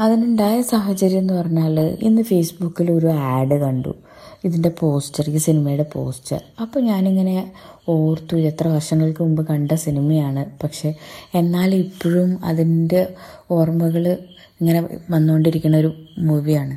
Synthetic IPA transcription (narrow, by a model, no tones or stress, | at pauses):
ɐðinuɳɖaːjɐsaːɦɐt͡ɕːɐɾijenːɨpɐrɐɲːaːlḭnːɨfejsbukːilo̞ɾuaːɖɨkɐɳɖṵ | iðinde̞po̞ːstɐrikːɨsinimɐjuɽepo̞̰ːstɐ̰rɐpːoːɲaːniŋːɐne̞o̞ːrt̪uet̪rɐʋɐrʂɐŋːɐɭkɨmumbɨkɐɳɖɐsinimɐjaːɳɨpɐkʂe̞enːaːlipːoɻumɐ̰ðinde̞o̞ːrmɐɣɐɭ | eŋːɐne̞ʋɐnːuoɳɖiɾikʲːunːɐo̞ɾumuʋijaːɳɨ